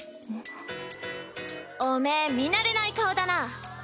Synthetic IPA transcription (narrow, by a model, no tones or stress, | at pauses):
omemʲinaɾenaikaod̪ana